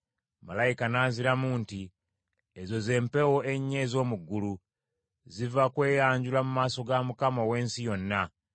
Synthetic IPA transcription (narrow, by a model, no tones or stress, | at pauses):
malaikanaːnziɾamuːnti | ezo̞ze̞ːmpe̞woʔe̞ɲːe̞zo̞ːmuɡːulu | zivakwe̞ːjaːɲɟulamumaːso̞ɡamukamowe̞ːnsijo̞nːa